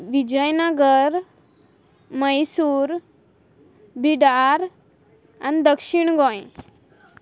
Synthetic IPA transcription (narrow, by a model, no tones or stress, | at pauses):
ʋid͡ʑəjnəɡəɾ | məjsuːɾ | bʱiɖaɾ | a̰nid̪əkʂiɳɡɔ̃j